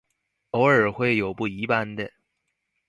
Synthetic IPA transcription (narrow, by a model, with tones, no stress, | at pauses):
o˧˥ʊə˞˨˩xwe˥˩ɪjo˨˩ʊpu˥˩i˧˥pa˥nd̪ə˨